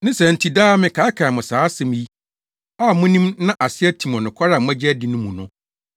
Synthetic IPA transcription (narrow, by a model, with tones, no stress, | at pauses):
nɪ̃˦sɛ˨n̩˨tʰi˨daː˦mɪ̃˨kʰa˨˦ɪ˦kʰa˨mʊ̃˨saː˨˦sɛ̃˨m˦ji˦ | a˦˨mʊ̃˦nĩ˦mnã˦ʔa˨sɪ˦ɛ˦tʰi˨mɔ̃˨nʊ̃˨kʷʰa˦ɾa˨m˦ɛ̃˦d͡ʑɛ˦di˨nʊ̃˦mũ˨nʊ̃˦